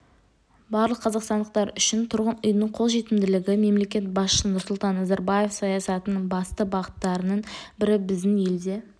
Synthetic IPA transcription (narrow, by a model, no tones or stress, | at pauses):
bɑɾlˠəqʰːɑzɑqst̪ɑnd̪əq̚t̪ɑɾʏʃɪnt̪ʰʊɾʁənʏjnəɴqʰo̞lˠʒe̞t̪ɪmd̪ɪlɪɡʲɪme̞mle̞kʲe̞t̪̚bɑsʃsənʊɾsʊlˠt̪ɑnːɑzɑɾbaje̞fsɑjɑsɑt̪ənəɴbɑst̪əbɑʁət̪ːɑɾənəɴbɪɾɪbɪzd̪ɪŋje̞ld̪e̞